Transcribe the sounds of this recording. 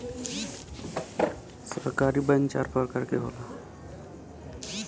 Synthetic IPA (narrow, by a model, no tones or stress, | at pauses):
səɾkaːɾibənt͡ʃa̰ɾpəɾkəɾkeɦo̰ːla